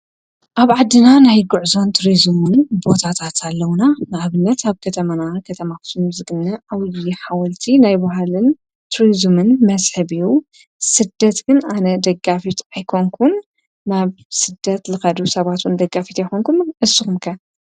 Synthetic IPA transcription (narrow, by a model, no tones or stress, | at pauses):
ʔaβʕad̪ːɨnanajɡuʕzo̞nt̪ʰuɾizɨmunbo̞t̪ʰat̪ʰat̪ʰalːɐwnanɨʔaβɨnːɐt̪aβkʰɐt̪ʰɐmanakʰɐt̪ʰɐmakɨ̥sumzɨɡɨnːɐʔawjiħawɐlt̪ʰinajbaɦalɨn | t̪ʰuɾizumɨnmɐzħɨβiju | sɨd̪ːɐt̪ɡɨnanɐd̪ɐɡːafit̪ajkʰoŋkʰunː | aβ | sɨd̪ɐt̪lɨxɐd̪usɐβat̪wund̪ɐɡafit̪jɛxoŋkunnʔɨsːɨxumkʰɐ